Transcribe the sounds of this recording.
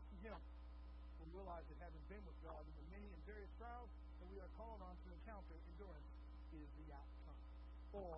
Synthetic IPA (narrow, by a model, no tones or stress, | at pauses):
jɨo | wiɹiəlaɪzɨt̚hæz̃nb̥ɨ̃nwəðd͡ʒɔzɨðɨmɛ̃niɨ̃nvɛɹiɨstʰɹ̥aɪdz | ðɨt̚wiə˞kʰɔlˠɪ̃ŋə̃nfɨɨ̃kʰãʊ̃ntə˞ɨ̃ndʊɹɨ̃ns | ɪzðiaʊtkʰʌ̃m | ə˞